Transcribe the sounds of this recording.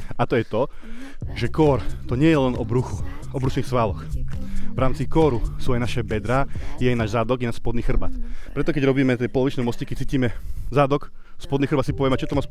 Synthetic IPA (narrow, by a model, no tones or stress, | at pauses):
at̪ɔjɛt̪ɔ | ʒɛkɔɾt̪ɔɲɪɛjɛlɛnɔbɾuxuɔbɾuʃniːxsʋalɔxvɾaːmt͡sikɔɾusuajnaʃɛbɛd̪ɾaːjɛajnaːʒzad̪ɔɡjɛnaʃspɔd̪niːxr̩ba̰t̪pɾɛt̪ɔkɛɟɾɔbiːmɛt̪ɛjpɔlɔʋit͡ʃnɛjmɔscikɛt͡siːciːmɛzad̪ɔk | spɔd̪niːxr̩bat̪sipɔʋɛmɛat͡ʃɔt̪ɔmas